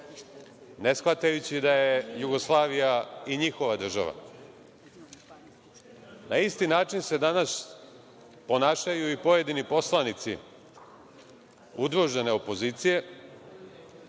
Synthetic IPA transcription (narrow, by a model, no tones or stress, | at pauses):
ne̞sxʋat̪ajut͡ɕid̪aje̞juɡo̞slˠaːʋijaiɲixo̞ʋad̪r̩ʒa̰ʋa̰ | naist̪inaːt͡ʃinse̞d̪anas | po̞naːʃajuipo̞je̞d̪inipo̞slˠanit̪sḭ | ud̪ɾuʒene̞o̞po̞ziːt̪sije̞